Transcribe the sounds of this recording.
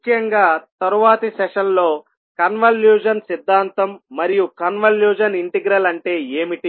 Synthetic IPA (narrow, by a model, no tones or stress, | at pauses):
mukʰːjɐŋɡaːt̪ɐɾuʋaːt̪ɐsɛʂɐnlo̞ː | kɐnʋɐljuːd͡ʒɐnsid̪ʱːaːnt̪ɐmːɐɾijukɐnʋɐljuːd͡ʒɐniɳʈiɡɾɐlɐɳʈe̞ːeːmiʈi